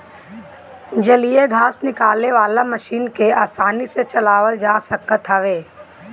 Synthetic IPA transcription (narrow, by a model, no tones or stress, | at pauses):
d͡ʒɐlieɡʱaːsnɪkaːlneʋaːlamɐʃiːnkeaːsaːniset͡ʃɐlaːʋəld͡ʒaːsəkət̪ɦɐʋeː